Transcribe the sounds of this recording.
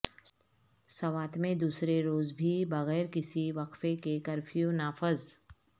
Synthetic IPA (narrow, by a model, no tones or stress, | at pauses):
sɐʋaːt̪mẽd̪uːsɾeɾoːzbʱibɐɣɛːɾkɪsiʋɐqfekekɐɾfʰijonaːfəz